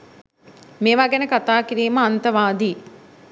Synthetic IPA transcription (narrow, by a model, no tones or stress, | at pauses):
meːʋaɡenəkat̪aːkiɾiːməant̪əʋaːd̪i